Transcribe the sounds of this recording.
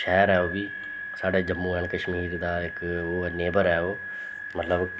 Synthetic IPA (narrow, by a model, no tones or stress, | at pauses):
ʃɛːɾɛːoːbiː | saːɖeːd͡ʒəmːũːɦənkəʃmiːɾd̪aːɪkoːneːbəɾɛːoː | mət̪ləb